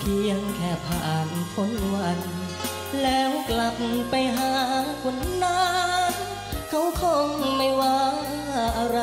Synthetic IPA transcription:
p̪ʰiː˧˩˧ə˧˩ŋkʰɛː˧˩p̪ʰa˧˩ʔa˨˩npʰo˧˥n˧wa˧˩n | lɛː˦˥wkla˧˩p̚pa˧jɦaː˧˦kʰo˧˦n˧nnːaː˧˦˥n | kʰa˧˥wkʰɔː˧˩ŋma˧˩jwaː˧˦˩ | ʔa˧ɾa˧

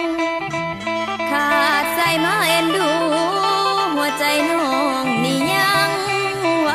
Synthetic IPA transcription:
k̪ʰaː˧˩sa˧˩jmaː˧˥˩ʔe˧nduː˧˩˧ | ɦu˨˩˦ɐt͡ɕa˧jnɔː˧˦˧ŋniː˧˩ɲa˧ŋ | wa˧

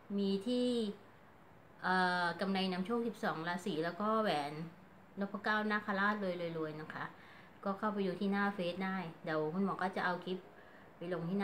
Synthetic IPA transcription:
miː˧t̪ʰiː˥˩ | ʔɤː˨˩ka˧mna˧jna˧˦˥mt͡ɕʰu˥˩ŋsi˨˩p̚sɔː˩˦ŋla˦˥siː˨˩lɛː˦˥wkɔː˥˩wɛː˩˦n | lɔ˦˥pʰːa˦˥kaː˥˩wnaː˥˩kʰa˧laː˥˩t̪̚lɤː˧jlɤː˧jlu˧əjna˦˥˩kʰa˦˥ʔ | kɔː˥˩kʰa˥˩wpa˧jduː˧t̪ʰiː˥˩naː˥˩feː˦˥t̪̚daː˥˩jdɛː˨˩wkʰu˧˥nmɔː˨˦kɔː˥˩t͡ɕa˨˩ʔa˧wkʰi˦˥p̚ | pa˧jlo˧ŋt̪ʰiː˥˩na˥˩

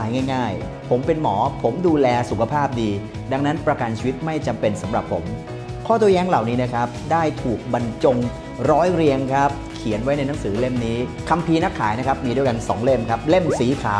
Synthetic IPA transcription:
a˩˦jŋaː˥˩jŋaː˥˩j | pʰo˩˦mpe˧nmɔː˩˦pʰo˩˦mduː˧lɛː˧su˨˩kʰa˧pʰaː˥˩p̚diː˧ | da˧ŋna˦˥npɾa˧ka˧nt͡ɕʰiː˧wi˦˥t̪̚ma˥˩jt͡ɕa˧mpe˧nsa˩˦mɾa˨˩pʰːo˩˦m | kʰɔː˥˩t̪u˧˩əjɛː˦˥ŋla˨˩wniː˦˥na˦˥kʰa˦˥p̚daː˥˩jt̪ʰuː˨˩k̚ba˧nt͡ɕo˧ŋ | ɾɔː˦˥jɾi˧əŋkʰa˦˥p̚kʰi˨˩˦ənwa˦˥jna˧jna˦˥ŋsɯː˩˦le˥˩mniː˦˥kʰa˧mpʰiː˧na˦˥kʰːaː˩˦jna˦˥kʰa˦˥p̚miː˧du˥˩əjka˧nsɔː˩˦ŋle˥˩mkʰa˦˥p̚le˥˩msiː˩˦kʰaː˩˦

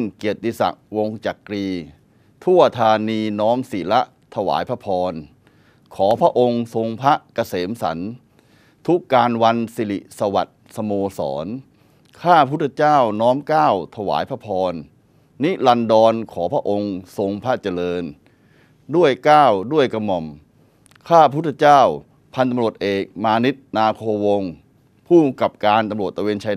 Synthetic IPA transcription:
ŋki˨˩ət̪̚ɗi˧sa̰˨˩k̚wo˧ŋt͡ɕa˨˩kɾiː˧ | t̪ʰu˥˩ɐt̪ʰaː˧niː˧nɔː˦˥msiː˨˩˦la˦˥ʔ | t̪ʰa˧wa̰ː˩˦jpʰa˦˥pʰɔː˧n | kʰɔː˩˦pʰɾa˦˥ʔo˧ŋso˧ŋpʰa˦˥ʔka˧seː˩˦msa̰˩˦n | t̪ʰu˦˥kːaː˧nwa˧nsi˧˩lḭ˨˩ʔsa˧wa̰˨˩t̪̚sa˧moː˧sɔ̰ː˩˦n | kʰaː˥˩pʰu˦˥˩t̪ʰːa˧t͡ɕaː˥˩wnɔː˦˥mkaː˥˩wt̪ʰa˧wa̰ː˩˦jpʰa˦˥pʰɔː˧nː | i˦˥la˧ndɔː˧nkʰɔː˩˦pʰɾa˦˥ʔo˧ŋso˧ŋpʰa˦˥t͡ɕa˧lɤː˧n | du˥˩əjkaː˥˩wdu˥˩əjka˧mɔ˨˩m | kʰaː˥˩pʰa˦˥˦t̪ʰe˧t͡ɕaː˥˩w | pʰa˧nt̪a˧mɾu˨˩ət̪̚ʔeː˨˩k̚maː˧ni˦˥t̪̚naː˧kʰoː˧wo˧ŋ | pʰuː˥˩ka˨˩p̚kaː˧nt̪a˧mɾu˨˩ə˩t̪̚ːa˧weː˧nt͡ɕʰa˧

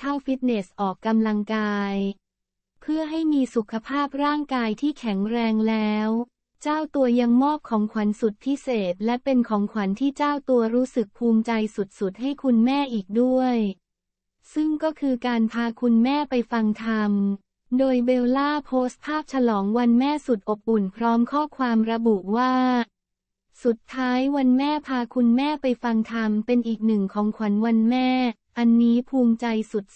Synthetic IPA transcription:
t̪ʰa˥˩wfi˦˥t̪̚ne˨˩sʔɔː˨˩kːa˧mla˧ŋkaː˧j | pʰɯ˥˩ɐɦa˥˩jmiː˧su˨˩kʰa˧pʰaː˥˩p̚ɾaː˥˩ŋkaː˧jt̪ʰiː˥˩kʰɛ˩˦ŋɾɛː˧ŋlɛː˦˥w | t͡ɕaː˥˩wt̪u˧ɐja˧ŋmɔː˥˩p̚kʰɔː˩˦ŋkʰwa˩˦nsu˨˩t̪̚pʰi˦˥seː˨˩t̪̚lɛ˦˥pe˧nkʰɔː˩˦ŋkʰwa˩˦nt̪ʰiː˥˩t͡ɕaː˥˩wt̪u˧ɐɾuː˦˥sɯ˨˩k̚pʰuː˧mt͡ɕa˧jsu˨˩t̪̚su˨˩t̪̚ha˥˩jkʰu˧nmɛː˥˩ʔiː˨˩k̚du˥˩əj | sɯ˥˩ŋkɔː˥˩kʰɯː˧kaː˧npʰaː˧kʰu˧nmɛː˥˩pa˧jfa˧ŋt̪ʰa˧m | doː˧jbeː˧wlaː˥˩pʰoː˦˥st̪̚pʰaː˥˩p̚t͡ɕʰa˧lɔː˩˦ŋwa˧nmɛː˥˩su˨˩t̪̚ʔo˨˩p̚ʔu˨˩npʰɾɔː˦˥mkʰɔː˥˩kʰwaː˧mɾa˧bu˨˩ʔwaː˥˩ | su˨˩t̪ʰːaː˦˥jwa˧nmɛː˥˩pʰaː˧kʰu˧nmɛː˥˩pa˧jfa˧ŋt̪ʰa˧mpe˧nʔiː˨˩k̚nɯ˨˩ŋkʰɔː˩˦ŋkʰa˨˩˦nwa˧nmɛː˥˩ | ʔa˧nːiː˦˥pʰuː˧mt͡ɕa˧jsu˨˩t̪̚

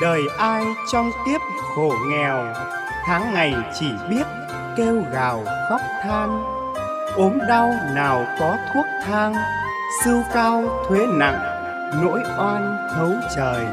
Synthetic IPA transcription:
ɗəː˨˩jʔaː˧jt͡ɕɔ˧wŋ͡mt̪i˦˥əp̚ | xo˧˩ŋɛ˨˩w | t̪ʰaː˨˦ŋːa˨˩jt͡ɕi˧˩ɓi˦˥ət̚ | ke˧wɣaː˨˩wxɔ˦˥p̚t̪ʰaː˧ŋ | ʔo˨˦mɗa˧wnaː˨˩wkɔ˨˦t̪ʰu˦˥ək̚t̪ʰaː˧ŋ | sɨ˧kaː˧wt̪ʰwe˨˦na̰˧˩ŋ | no̰˧˥jʔwaː˧n | t̪ʰə˨˦wt͡ɕəː˨˩j

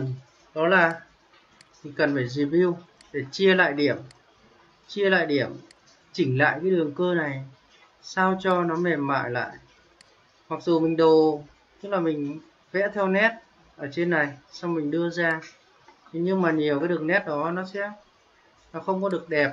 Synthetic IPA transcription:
n | ɗɔ˨˦laː˨˩ | mʰi˨˩ŋkə˨˩nfaː˧˩jzi˨˩vi˧w | ɗe˧˩t͡ɕi˧əla̰ː˧˨jɗi˧˩əm | t͡ɕi˧əla̰ː˧˨jɗi˧˩əm | t͡ɕï˧˩ŋ̟la̰ː˧˨jkaː˨˦ɗɨ˨˩əŋkəː˧na˨˩j | saː˧wt͡ɕɔ˧nɔ˨˦mɛ˨˩mːa̰ː˧˨jla̰ː˧˨j | ma˨˩k̚zu˨˩mï˨˩ŋ̟ɗo˨˩ | t̪ɨ˦˥k̚laː˨˩mï˨˩ŋ̟ | vɛ̰˧˥t̪ʰɛ˧wnɛ˦˥t̚ | ʔəː˧˩t͡ɕe˧nːa˨˩jsa˧wŋ͡mmï˨˩ŋ̟ɗɨ˧əzaː˧˨˩ | ɲɨ˧ŋmaː˨˩ɲi˨˩əwkaː˨˦jɗɨ˨˩əŋnɛ˦˥t̚ɗɔ˨˦nɔ˨˦sɛ̰˧˥ | nɔ˨˦xə˧wŋ͡mkɔ˨˦ɗɨ˨˩ək̚ɗɛ˨˩p̚

